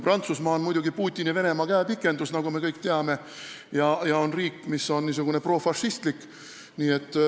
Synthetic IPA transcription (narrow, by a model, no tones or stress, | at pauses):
prɑnt̪susmɑːonmujd̪uɡipuːt̪ʲːˑinive̞ne̞mɑkæepikːˑe̞nd̪usnɑɡume̞kɤjkt̪eɑme̞ | jɑjɑo̞nriːkˑːmisːo̞nniːs̬uɡ̥une̞pro̞ːfɑʃːist̪likː | niːe̞t̪ˑː